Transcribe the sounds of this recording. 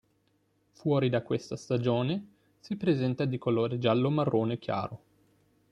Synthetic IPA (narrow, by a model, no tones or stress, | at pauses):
fwɔːɾid̪akːwest̪ast̪ad͡ʒoːne | sipɾezɛnt̪ad̪ikoloːɾed͡ʒalːomarːoːnek̟ja̰ːɾo